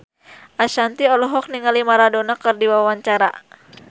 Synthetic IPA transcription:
ʔaʃant̪iɔlɔɦɔk̚niŋalimaɾadonakɨrdiwawaɲt͡ʃaɾa̰

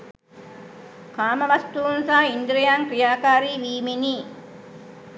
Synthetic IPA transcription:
kaːməʋast̪uunsaːind̪ɾejaŋkrijaːkaːɾiːʋiːmeniː

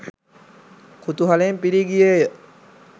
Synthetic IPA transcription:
kut̪uɦalempiɾiɡijəjə

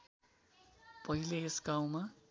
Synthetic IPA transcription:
pʌɦileesɡaw̃ma

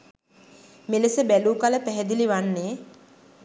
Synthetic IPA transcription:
meləsəbæluːkaləpæɦɛd̪iliʋanːeː

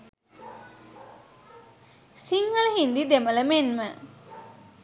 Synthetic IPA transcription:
siŋːələɦind̪id̪emələmenmə

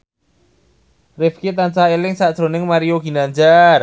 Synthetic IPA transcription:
rɪfkit̪ant͡ʃaelɪŋsaʔd̥ɾo̤nɪŋmaɾioɡi̤nand͡ʒar

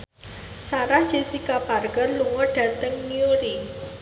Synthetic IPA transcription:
saɾahd̥ʒ̥e̤sikaparɡərluŋɔɖ̥a̤t̪əŋːioɾi

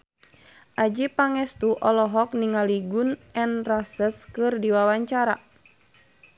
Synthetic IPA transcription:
ʔad͡ʒipaŋɛst̪uʔɔlɔɦɔk̚niŋaliɡunɛnrasəskɨrdiwawaɲt͡ʃaɾa

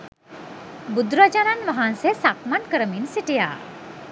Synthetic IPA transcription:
bud̪ɾad͡ʒananʋaɦansesakmankəɾəminsiʈija̰ː

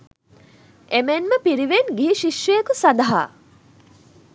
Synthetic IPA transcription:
emenməpiɾiʋenɡiɦiʃiʃjejekusɐd̪ɐɦa̰ː

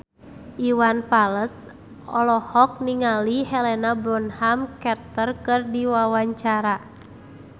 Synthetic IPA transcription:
ʔiwanfaləs | ɔlɔhɔk̚niŋalihɛlɛnabɾɔnhamkɛrt̪ərkɨrdiwawaɲt͡ʃaɾa

